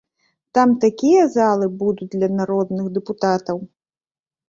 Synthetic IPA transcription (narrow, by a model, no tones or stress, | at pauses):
t̪amt̪akʲijɐzalˠɨbud̪ut͡sʲd̪lʲɐnaɾɔd̪nɨɣd̪ɛput̪at̪ɐw